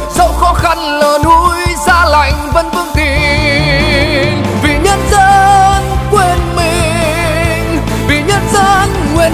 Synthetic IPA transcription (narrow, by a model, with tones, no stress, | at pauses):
sə˧˦wxɔ˧˦xa˧nləː˨˩nhu˧˦jzaː˧la˨˩jŋ̟və˧nfɨ˧əŋt̪i˧˨ | nvi˨˩ɲə˧˥nzə˧˥nkwe˧nmi˨˧˩ | ŋ | vi˨˩ɲə˧˥nzə˧n | ŋwi˨˩n